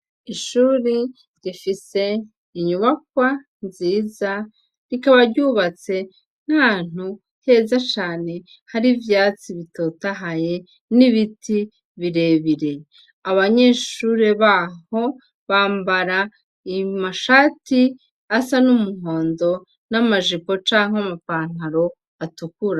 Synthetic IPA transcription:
iʃuːɾi | ɾifise̞ | iɲuβak̚wa | nziːza | ɾikaβaɾɟuβat͡se̞ | n̥haːn̥u | he̞ːzat͡ʃaːne̞ | haɾivjaːt͡siβito̞taɦaje̞ | niβitʰi | βiɾe̞βiɾe̞ | aβaɲe̞ːʃuɾe̞βaho̞ | βaːmbaɾa | imaʃaːti | asanumuho̞ːndo̞ | namaʒipo̞t͡ʃaːŋamapaːn̥aɾo̞ | atukuɾa

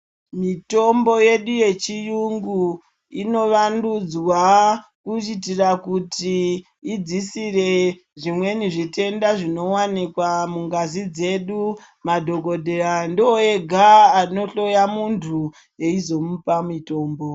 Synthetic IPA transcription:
mito̞mbo̞je̞ɗuje̞t͡ʃijuŋɡu | ino̞ʋandud͡zwakut͡ʃit̬irakutiː | d͡zisire̞ | ʐimwe̞niʐite̞ndaʐino̞wanikwamuŋɡazid͡ze̞ɗu | madʱo̞ko̞dʱeɾandioe̞ɡʱaːno̞ɬo̞jamuntʰu | je̞izo̞mupamito̞ːmbo̞

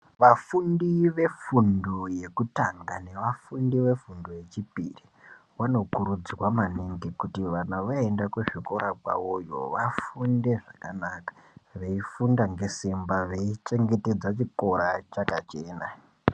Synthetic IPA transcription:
ʋafundiʋe̞fundoje̞kutaŋɡane̞ʋafundiʋe̞fundoje̞t͡ʃipḭri | wano̞kuɾud͡zwamaniŋɡekutiʋanaʋaendakuʐiko̞ɾakwa̰wojo̞̰ʋafunde̞ʐakanakḁʋe̞ifundaŋɡe̞simbaʋeit͡ʃe̞ŋɡe̞te̞d͡zat͡ʃiko̞ɾat͡ʃakat͡ʃe̞ːna

